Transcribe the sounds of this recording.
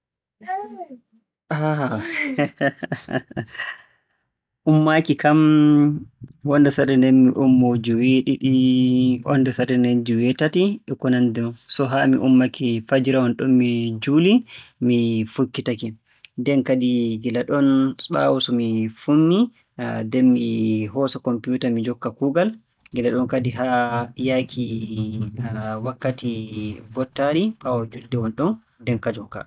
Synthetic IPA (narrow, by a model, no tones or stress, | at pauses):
aha | ʔumːakikam | wɔndɛsaɗɛndɛnmiʔumːod͡ʒuweɗiɗiʔɔ̰ndɛsaɾɛnɛnd͡ʒuwɛtatiɛkɔnandɛsɔɦamiʔumːakifad͡ʒiɾawɔnɗɔnmid͡ʒulimifukːitaki | dɛnkadiɡilaɗɔnsɓa̰wusɔmifumːi | dɛmːihɔsɔkɔmpjuːtamid͡ʒɔkːakuːɡal | ɡilaɗɔnkadiɦajaːkʰi | wakːatibɔtːaɾiɓawɔd͡ʒuldɛwɔnɗɔn | dɛnkad͡ʒɔkːa̰